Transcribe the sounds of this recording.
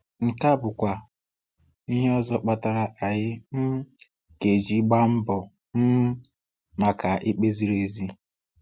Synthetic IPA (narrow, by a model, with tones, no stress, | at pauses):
ŋ̩˨ka˦bʊ˨kʷa˨ | ni˦ɦe˦ɔ˦zɔ˦k͡pa˦ta˨ɾa˨ʔa˨ɣɪ˦m̩˦ | ke˨d͡ʒi˦ɡ͡ba˦m̩˦bɔ˨ | m̩˦ | ma˨ka˨ʔɪ˦k͡pe˦zi˦ɾe˨zi˦